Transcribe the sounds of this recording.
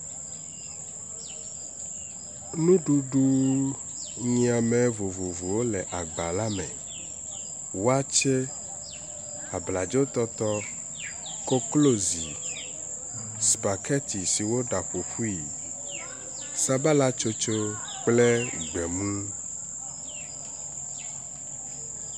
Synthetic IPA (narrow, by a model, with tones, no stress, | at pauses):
nũ˦ɖu˦ɖu˦ | ɲĩ˨˦a˨me˨vo˨vo˨vu˨wo˦lɛ˨ʔa˨ɡ͡ba˨la˦mɛ̰̃˨ | wo˦a˦t͡ʃe˦ | a˨bla˨d͡ʒo˦t̪ɔ˦t̪ɔ˦ | ko˦klo˦zi˨ | sba˨kɛ˦t̪i˨si˨wo˦ɖa˨ɸo˨ɸu˦i˨ | sa˦ba˦la˦t͡ʃo˦t͡ʃo˦ | k͡ple˦ɡ͡bɛ˨mũ˦